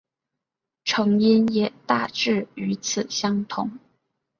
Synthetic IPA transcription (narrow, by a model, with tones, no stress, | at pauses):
ʈ͡ʂʰɤ˧˥ŋi˥njɛ˨˩t̪a˥˩ʈ͡ʂɻ̩˥˩y˧˥t͡sʰɹ̩˨˩ɕjɑ˥ŋt̪ʰʊ˧˥ŋ